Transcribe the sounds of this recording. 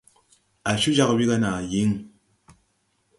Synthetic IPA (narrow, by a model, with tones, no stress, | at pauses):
a˨ʃu˦d͡ʒa˦kbi˦ka˦na˨ji˦ŋ